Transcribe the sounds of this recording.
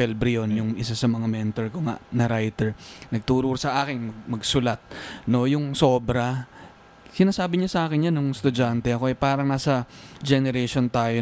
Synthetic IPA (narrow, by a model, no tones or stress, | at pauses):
ɛlbɾɪonjʊŋɪsasɐmɐŋamɛnt̪oɹkoŋa̰ʔnɐɾajt̪ɛɹnɐɡ̚t̪uːɾuɾsɐʔaːkɪŋmɐɡ̚mɐɡsʊlat̪̚no̞jʊŋso̞ːbɾɐ | sɪnaːsaːbɪɲasɐʔaːkɪnjanːʊŋst̪ʊd͡ʒant̪ɛʔɐko̞ʔɛjpaːɾɐŋnaːsɐd͡ʒɛnɛɾɛʃont̪aːjo